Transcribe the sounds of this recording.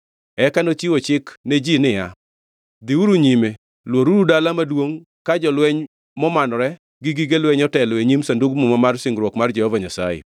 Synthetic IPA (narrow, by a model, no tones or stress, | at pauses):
ɛkanot͡ʃiwot͡ʃɪkned͡ʒinɪja | d̪iuɾuɲime | lwoɾuɾudalamadwoŋ | kad͡ʒɔlwɛɲ | mɔmanɔɾɛ | ɡiɡiɡelwɛɲɔtɛlɔeɲimsanduɡmumamarsɪŋɡɾwɔkmard͡ʒɛhɔvaɲasa̰jḛ